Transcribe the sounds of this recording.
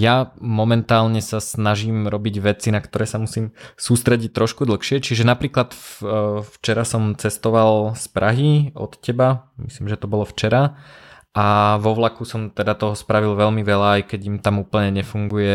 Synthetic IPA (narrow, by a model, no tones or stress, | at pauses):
jamɔmɛnt̪aːlɲɛsasnaʒimɾɔbiɟʋɛt͡sinakt̪ɔɾɛːsamusiːmsuːst̪ɾɛɟic̚t̪ːɾɔʃkud̪l̩xʃɪɛt͡ʃiʒɛnapɾiːklat̪ | ft͡ʃɛɾasɔmt͡sɛst̪ɔʋalspɾʔaɦiɔ̰t̪cɛbamisliːmʒɛt̪ɔbɔlɔft͡ʃɛɾa | ʔaʋɔʋlakusɔmt̪ɛd̪at̪ɔɦɔspɾaʋilʋɛlmiʋɛlaːjkɛɟimt̪amuːpl̩ɲɛɲɛfuŋɡujɛ